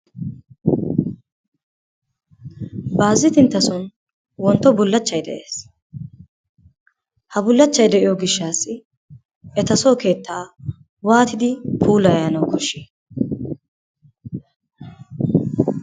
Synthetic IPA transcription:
baːzːɪt̪ɪnt̪ːɐsɔn | wɔnt̪ːɔbʊlːɐt͡ʃːɐjd̪ɛʔe̞ːs | hɐbʊlːɐt͡ʃːɐjd̪ɛʔɪjɔɡɪʃːaːsɪ | ɛt̪ɐsoːke̞ːt̪ːaː | waːt̪ɪd̪ɪpʰuːlɐjjɐnɐwkɔʃi

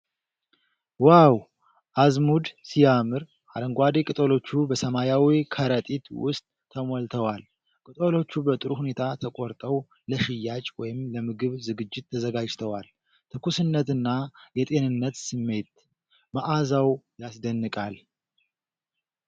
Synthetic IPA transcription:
waw | ʔazmud̪sijamɨɾ | ʔad̪əŋɡʷad̪ekʼɨt̪ʼo̞lo̞t͡ʃːubəsəmajawikʰəɾət̪ʼit̪wʊ̰st̪ʼʰːəmolt̪ʰəwal | kʼɨt̪ʼo̞lo̞t͡ʃːubət̪ʼɨɾuhune̞t̪ʰat̪ʰəkʼoɾt̪ʼəw | ləʃɪjːat͡ʃʼwɔjɪmləmɨɡɨβzɨɡɨd͡ʒːɪt̪ʰːəzəɡad͡ʒt̪ʰəwal | t̪ʰɨkʰusɨnːət̪ɨnːajɛt̪ʼe̞nɨnːət̪sɨmːe̞t̪ | maʔazawjasd̪ənːɨkʼal

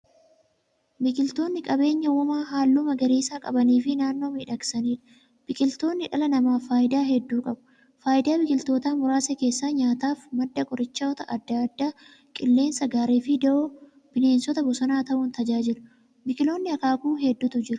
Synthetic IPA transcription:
bɪkʼɪlt̪o̞ːnːɪkʼɐbe̞ːɲːɐwɔmaːɦaːlːuːmɐɡɐɾiːsaːkʼɐbɐniːfɪnaːnːo̞ːmiːᶑɐksɐniːᶑɐ̥ | b̥ɪkʼɪlt̪o̞ːnːɪᶑɐlɐnɐmaːfaːʔɪd̪aːɦɛd̪ːuːkʼɐbʊ̥ | faːʔɪd̪aːbɪkʼɪlt̪oːt̪aːmʊɾaːsɛke̞ːsːaːɲaːt̪aːfmɐd̪ːɐkʼɔɾɪt͡ʃːɐɔt̪ɐʔɐd̪ːɐd̪ːaː | kʼɪlːe̞ːnsɐɡaːɾeːfɪd̪ɛʔoː | b̥ɪne̞ːnsɔt̪ɐbɔsɐnaːt̪ɐʔʊnt̪ɐd͡ʒaːd͡ʒɪlʊ | bɪkʼɪlo̞ːnːɪɐkaːkuːɦɛd̪ːʊt̪ʊd͡ʒɪɾʊ

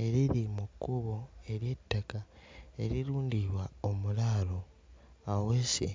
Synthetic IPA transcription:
e̞ɾiɾimukːuβoe̞ɾje̞tːakae̞ɾiɾuːndiβwaomulaːlo | awesḭ

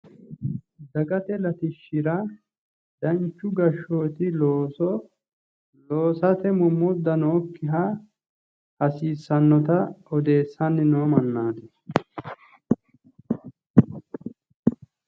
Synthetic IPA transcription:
d̪ɐɡɐt̪ɛlɐt̪ɪʃːɪɾɐ | d̪ɐnt͡ʃːʊɡɐʃːoːt̪ɪlːsɔ | loːsɐt̪ɛmʊmːʊd̪ːɐnoːkːɪɦa | ɐsiːsːɐnːɔt̪ɐɔd̪e̞ːsːɐnːɪnoːmɐnːaːt̪ɛ

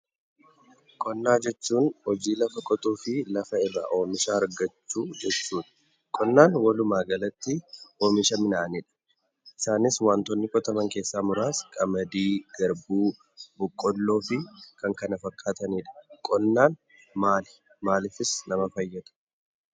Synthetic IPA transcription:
kʼɔnːaːd͡ʒɛt͡ʃːuːnhɔd͡ʒiːlɐfɐkʼɔt̪ʼuːfɪlɐfɐɪrːa̰ːʔo̞ːmɪʃaːɾɡɐt͡ʃːuːd͡ʒɛt͡ʃːuːn | kʼɔnːaːnwɐlʊmaːɡɐlɐt̪ːɪʔoːmɪʃɐmɪnaːniːᶑɐ̥ | ʔɪsaːnɪswaːnt̪ɔnːɪkɔt̪ɐmɐŋke̞ːsːaːmʊɾaːskʼɐmɐd̪iːɡɐɾbuː | bʊkʼːɔlːo̞ːfɪkɐŋkɐnɐfɐkʰʼːaːt̪ɐniːᶑɐ̥kʼɔnːaːn | maːlɪ | maːlɪfɪsnɐmɐfɐjːɐt̪ʊ̥

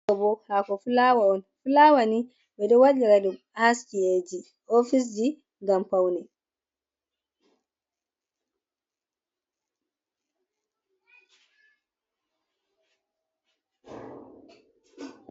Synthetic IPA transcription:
ɔbɔhakɔfulawaɔnfulawani | bɛdɔwalːiɾadum | askied͡ʒi | ofis̬d͡ʒi | ŋɡampawnɛ

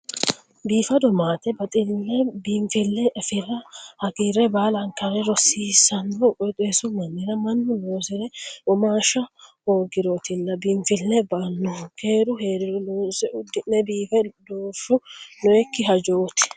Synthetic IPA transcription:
biːfɐd̪ɔmaːt̪ɛbɐt̪ʼɪlːɛbiːmfɪlːɛʔɛfɪrːɐhɐɡiɾɛbaːlɐŋkɐɾɛɾɔsiːsɐnːɔkʼɔt̪ʼeːsʊmɐnːɪɾɐmɐnːʊnoːsɪɾɛɔmaːʃɐhoːɡɪɾoːt̪ɪlːɐbiːɱfɪlːɛbɐnːɔke̞ːɾʊheːɾɪɾɛnoːsɛʊd̪ɪnːɛbiːfɛd̪oːʃʊnɔɛkːɪɦɐd͡ʒoːt̪ɪ̥

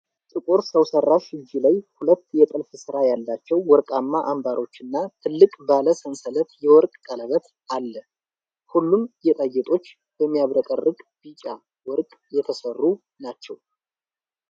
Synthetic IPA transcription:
t̪ʼɨkʼoɾsəwsərːaʃɨd͡ʒːilajhulət̪ːjɛt̪ʼɨlfɨsɨɾajalːat͡ʃːɛwːɔɾkʼamːaʔambaɾo̞t͡ʃːɨnːat̪ʰɨlːɨkʼbaləsənsələt̪jɛwɔɾkʼkʼələβət̪ | alːə | hulːumjɛt̪ʼajːɛt̪ʼo̞t͡ʃː | b̥əmːijaβɾəkʼərːɨɡʼb̥it͡ʃʼa | wɔɾkʼjɛt̪ʰəsərːu | nat͡ʃːɛw

